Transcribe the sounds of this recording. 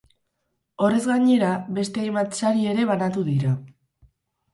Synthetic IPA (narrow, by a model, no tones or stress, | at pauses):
o̞re̞zɣaɲe̞ɾaβe̞st̪e̞ajmat͡saɾie̞ɾe̞βanat̪uðiɾa